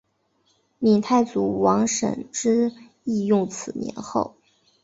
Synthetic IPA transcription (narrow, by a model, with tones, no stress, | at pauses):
mi˨˩ŋt̪ʰa˥˩ɪt͡su˨˩wɑ˧˥ŋʂə̰˨˩nʈ͡ʂɻ̩˥ | i˥˧jʊ˥˩ŋt͡sʰɹ̩˨˩njɛ̰˧˥nxo˥˩ʊ